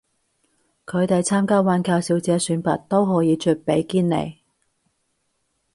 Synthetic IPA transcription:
kʰɵ˨˧ɥt̪e˨jt͡sʰaː˥mkaː˥waː˨˥nkaː˧wsiː˨˥wt͡sɛː˨˥syː˨˥npɐ̰˨t̚t̪o˥wɦɔː˨˥jiː˨˧t͡ʃʰɵ˧˥t̚pe˨˧˥jkiː˥nlḛ˨˩j

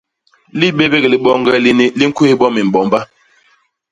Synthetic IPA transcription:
li˦ɓe˦be˦ɣi˨li˨˦ɓɔ˦ŋ˦ɡɛ˦li˦ni˦li˦ŋ̩˦ku˦hi˦ɓɔ˦mi˨m̩˨bɔ˨mba˦

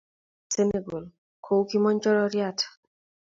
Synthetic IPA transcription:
seneɡo˨l | kʰo˨wki˦mɔ˦ɲt͡ʃɔ˦ɾɔɾjat

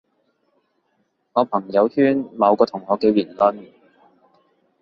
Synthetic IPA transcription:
ŋɔː˨˧pʰɐ˨˩ŋjɐ˨˧whyː˥nmɐ˨˧wkɔː˧t̪ʰʊ˨˩ŋːɔː˨˧kɛː˧wiː˨˩nlɐ˥n

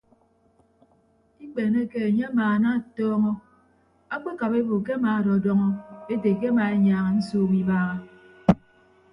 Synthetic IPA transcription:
i˦k͡pe˨ne˦ke˦e˨ɲe˦a˦maː˨na˦˨tɔː˦ŋɔ˦ | a˦k͡pe˦ka˨pe˦bo˨ke˦a˦maː˨a˨ɾɔ˨dɔ˦ŋɔ˦e˦te˨k̬e˦a˦ma˨e˦ɲaː˨ŋa˨n̩˦soː˦˨wi˦baː˦ɣa˦

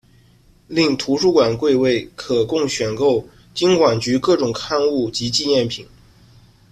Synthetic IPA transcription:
li˥˩ŋt̪ʰu˧˥ʂu˥˩kwa˨˩nkwe˥˧ɪwe˥˩ɪkʰɤ˨˩kʊ˥˩ŋɕɥɛ˨˩nko˥˧ʊ | t͡ɕi˥ŋkwa˨˩nt͡ɕy˧˥kɤ˥˩ʈ͡ʂʊ˨˩ŋkʰa˥˧nu˥˩t͡ɕi˧˥t͡ɕi˥˧njɛ˥˩npʰi˨˩˦ŋ

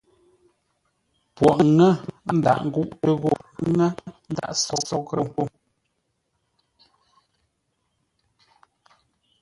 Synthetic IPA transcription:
pwɔ˨ʔŋɛ˦n̩˦da̰˨ʔŋ̩˦ɡu˦ʔtə˦ɣo˦˨˦ŋɛ˦n̩˦da̰˦ʔsɔ˦sɔ˦kɾə˦˨o˦

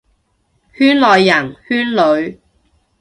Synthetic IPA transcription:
hyː˥nlɔː˨˧jːɐ˨˩nhyː˥nlɵ˨˧ɥ

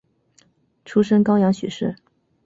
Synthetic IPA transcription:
ʈ͡ʂʰu˥ʂə˥ŋkɑ˥ʊjɑ˧˥ŋɕy̰˨˩ʂɻ̩˥˩

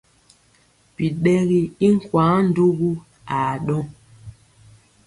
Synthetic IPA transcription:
pi˨ɗɛ˦ɣi˦i˦ŋ̩˦˨kwa˨˦n̩˦du˦ɣu˦ | a˨ɗɔ˦

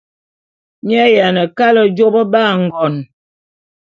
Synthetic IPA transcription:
m˦a˦ja˨nə˨ka˦lə˨d͡ʒo˦bə˦ba˦˨ŋ̩˨ɡɔ˨n

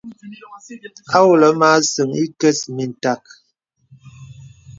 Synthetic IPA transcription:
a˦wu˨lə˨˦maː˦sɨ˨ŋi˦kə˦smi˨n˨ta˨k̚

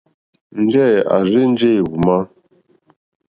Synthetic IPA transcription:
n̩˦d͡ʒɛ˦˨a̰˨ɾi˦n̩˦d͡ʒe˦˨ɣu˨ma˦

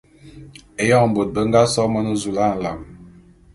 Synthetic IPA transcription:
e˨jɔ˦˨m̩˨bo˨t̚bə˦ŋ̩˦ɡa˦sɔ˦mə˦nə˦zu˨la˦˨n̩˨la˨m

